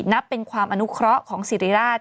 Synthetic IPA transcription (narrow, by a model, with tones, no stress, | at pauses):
t̪̚na˦˥pːe˧nkʰwaː˧mʔa˧nu˦˥kʰɾɔ˦˥kʰɔː˩˦ŋsi˨˦ɾiː˦ɾaː˥˩t̪̚